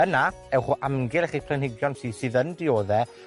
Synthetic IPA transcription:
əna | ɛwχuʔamɡɪlˠɛχipʰl̥ɛnhɪɡjɔnsiːsɨðəndɪoːðɛ

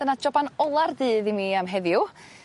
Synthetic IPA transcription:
ənad͡ʒɔbanɔlˠarðɨːðimiamɦɛðjʊ

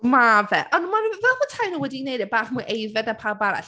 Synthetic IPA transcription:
mavɛ̰ʔɔnmanvɛlˠmatʰajnuwɛdinejdɛbaːɬmuɨʔejvɛdnapʰalbaɾa̰ɬ

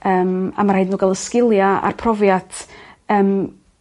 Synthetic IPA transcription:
əːma̰maɾaɨdnuːɡalˠəskɪlˠjaa̰rpʰrɔvjatʰəːm

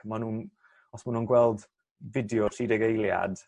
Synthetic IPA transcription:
manuːn | ɔsmanuːnɡwɛlˠd | vɪdjɔridɛɡejlˠja̰d̥

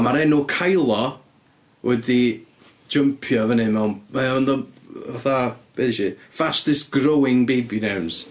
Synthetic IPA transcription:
maɾɛnʊkʰajlˠɔ | wɛdi̥ | d͡ʒəmpʰjɔvənɨmɛwnandɔ | aθab̥eðiʃifastɪsɡ̥rowɪŋbejbinawns

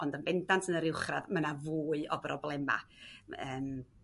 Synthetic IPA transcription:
ɔndənbɛndantʰənəɾɪwχradmənavuːɨɔbrɔblˠɛma̰əːm

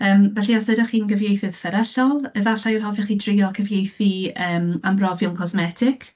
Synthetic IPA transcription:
əːmvɛɬiɔsədɔχiːnɡəvjejθɨð̥fəɾɛɬɔlˠəvaɬajrɦɔfɛχidrɪjɔkʰəvjejθiəːmambrɔvjʊŋkʰɔsmɛtʰɪkʰ

